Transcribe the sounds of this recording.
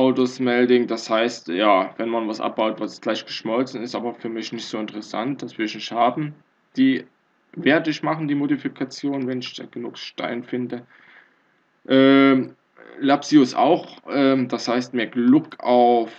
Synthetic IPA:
ʔaʊtosmɛldɪŋd̥ashaɪstjaːvɛnmanvasʔa̰p̚b̥aʊtv̥asɡ̥laɪçɡ̥ə̥ʃmɔlt͡sn̩ɪstʔa̰ːbɐfyːɐmɪçnɪçtz̥oːɪntəʁəsa̰nt̚d̥asv̥ɪɐɪçnɪçthaːbm̩ | d̥iː | vɛːɐtɪçmaχn̩diːmodifikʰat͡sjoːnvɛnɪçd̥a̰ːɡ̥ənuːkʃta̰ɪnfɪndə | ʔɛː | lapsiʊsʔa̰ʊxʔɛːd̥ashaɪst̚meːɐɡlʊkaʊf

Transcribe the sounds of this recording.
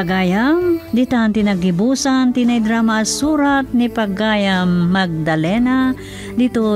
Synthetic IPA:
ɡaːjamd̪it̪ant̪ɪnaɡɪbuːsant̪inajd̪ɾamasuːɾat̪̚nɪpaɡaːjamːaɡ̚d̪ɐlɛna | d̪it̪o

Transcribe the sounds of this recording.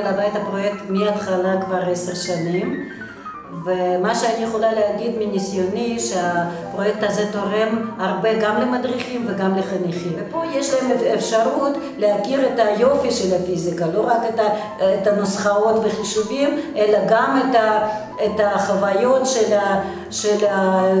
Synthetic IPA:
labajt̪hapʁo̞jek̚t̪miat̪χalakvaʁeseʁʃanim | vemaʃeanijeχo̞laleaɡid̪minisjoniʃeapʁojek̚t̪azet̪oʁemhaʁbeɡamlemad̪ʁiχimveɡamleχaniχiepo̞jeʃlaɦemefʃaʁut̪ | leakiʁet̪ajo̞fiʃelafizikalo̞ʁaket̪a | et̪anosχaot̪veχiʃuvimelaɡamet̪a | et̪aχavajo̞t̪ʃela | ʃela

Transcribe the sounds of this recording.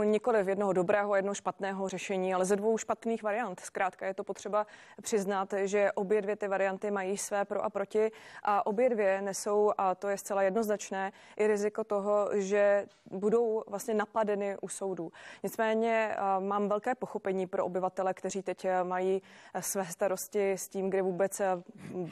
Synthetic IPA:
ɲɪko̞lɪfjɛdno̞ɦodo̞bɾɛːɦoajɛdnoɦoʃpat̪nɛːɦo̞rɛʃɛɲiːalɛzɛdvo̞wʃpat̪niːxvaɾɪjant̪skɾaːt̪kajɛt̪opot̪r̥ɛbapr̝̥ɪznat̪ʒɛʔo̞bjɛdvjɛt̪ɪvaɾɪjant̪ɪmajiːsvɛːpɾo̞ʔapɾo̞cɪʔaʔo̞bjɛdvjɛnɛso̞wʔat̪ojɛst̪t͡sɛlajɛdnoznat͡ʃnɛː | ʔɪɾɪzɪko̞t̪o̞ɦo̞ʒɛbudo̞wvlast̪ɲɛnapadɛnɪʔuso̞wduːɲɪt͡smɛːɲɛmaːmvɛlkɛːpo̞xo̞pɛɲiːpɾoʔobɪvat̪ɛlɛkt̪ɛriːt̪ɛcmajiːsvɛːst̪aɾo̞scɪsciːmɡdɪvuːbɛt͡s

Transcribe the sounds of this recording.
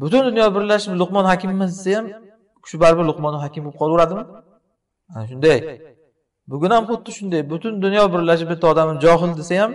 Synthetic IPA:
bʊt̪ʊnd̪ʊnjɒbɪɾlaʃɪplˠʊqmɒnhakʲɪmːɪsɪ̥sajam | kʃʊbaɾbɪɾlˠʊqmɒnːɦɒkʲɪmbop̚qʰɒlˠʊɾad̪ɪmɪ | anʃʊnd̪aj | bʊɡʲʊnamqʊt̪ːɪʃʊnd̪ajbʊt̪ʰʊnd̪ʊnjɒbɪɾlaʃ̬ɪp̚bɪt̪ʰːɒd̪amɪmd͡ʒɒɦɪld̪esajam

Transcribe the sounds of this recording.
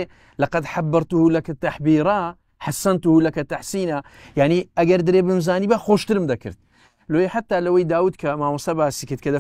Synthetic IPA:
lɐqɑd̪ħabːɨɾˤt̪uhulɐkat̪aħbiːɾˤa | ħasːɐnt̪uhuːlɐkɐt̪aħsiːna | jaʕniʔɐɡɐɾd̪ɨɾeːbɨmzaːniːbaxoːʃt̪ɨɾmd̪ɐkɨ̰ɾt̪̚ | loeħat̪ːaːlawejd̪aːwuːd̪kʰɐmaːwɑsɐbaːsikɨt̪̚kɐd̪ɐ

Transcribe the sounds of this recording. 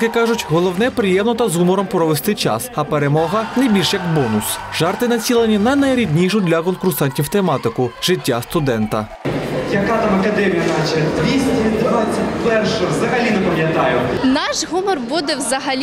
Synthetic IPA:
kɪkɑʒʊtʲɦɔlˠɔwnɛpɾɪjɛmnɔt̪ɐzɦumɔɾɔmpɾɔʋest̪ɪt͡ʃɑ̰sɐpeɾemɔɦɐnɐbʲilʲʃjɐkbɔnʊsʒɑrt̪ɪnɐt͡sʲilˠɐnʲinɐjnɐjɾʲid̪ʲnʲiʃʊd̪lʲɐkɔnkʊrsɑnʲtʲiwt̪emɑt̪ɪkʊʒ̥ɪtʲːast̪ʊd̪ɛnt̪ɐ | jɐkɑt̪ɑmɐkɐd̪ɛmʲijɐnat͡ʃɛd̪ʋʲisʲtʲɪd̪ʋasʲːɐtʲpɛrʃɛwzɐɦɐlʲinɛpɐmjɐt̪ɑjʊnɑʃɦumɔrbud̪ɛwzɐɦɐlʲ

